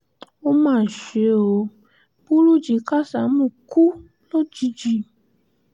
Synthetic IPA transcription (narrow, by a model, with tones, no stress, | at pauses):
o˦mãː˦˨ʃe˨˧˦o˧ | bu˦lu˦˨d͡ʒi˨˦ka˦sa˨˦mũ˦˨ku˦ | lo˦d͡ʒi˨˦d͡ʒi˧˦